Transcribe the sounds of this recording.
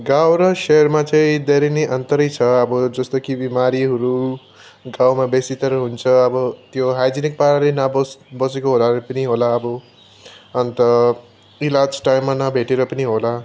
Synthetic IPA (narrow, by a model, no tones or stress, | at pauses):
ɡawɾʌseʌrmat͡saĩd̪eɾineʔʌnt̪ʌɾʌjt͡sʰʌʌbʌd͡zʌst̪okibimaɾiɦʌɾu | ɡawmabesit̪ʌɾʌɦunt͡sʰʌʌbʌt̪joɦajd͡zinik̚paɾaɾenabʌbʌsekoɦolaɾepʌniɦolaːbʌ | ʌnt̪ʌ | ilad͡zʈajmːanʌbʱeʈeɾʌpʌniɦola